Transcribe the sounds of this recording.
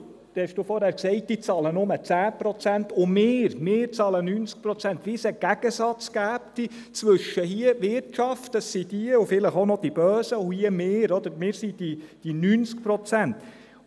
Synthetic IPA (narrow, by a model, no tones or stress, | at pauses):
t̪hɛʃd̥uːfɔɾhæːɾksɛɪt̚d̥it͡sɑːlənʊmət͡sæːpɾɔt͡sænt̪ʊmɪːɾmɪːɾt͡sɑːlənyːnt͡sk̚pɾɔt͡sænt̪ʋisɛɡ̥æɡ̥əsɑt͡skæːpti | t͡sʋɵʃəɦiəʋɪɾtʃɑftəssid̥iəufɪləχonɔd̥ib̥œːsəʊhiəmeːɾɔd̪əɾmɪːɾsid̥id̥inyːnt͡sk̚pɾɔt͡sænt̪